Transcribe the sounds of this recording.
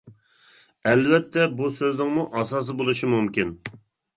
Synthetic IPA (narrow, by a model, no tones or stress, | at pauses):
ɛlvɛt̪ʰːɛbusøznɪŋmuʔɑsɑːs̬ɨbolˠuʃimumkʲin